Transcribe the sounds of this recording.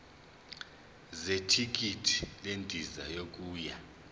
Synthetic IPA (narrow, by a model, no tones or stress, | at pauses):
zetʰik̬ʼitʰi̥lentʼiza̰jok̬ʼuːja